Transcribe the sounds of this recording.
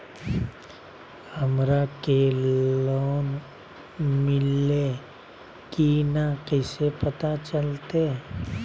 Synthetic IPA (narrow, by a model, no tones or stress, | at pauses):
həmɾakelɔːn | mɪle | kinakɛsepət̪at͡ʃəlt̪e